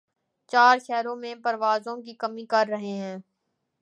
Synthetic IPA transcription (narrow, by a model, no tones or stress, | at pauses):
t͡ʃaːɾʃɛːɾõmẽpɐɾʋaːzõkikɐmĩkɐɾːɐɦeɦɛ̃ː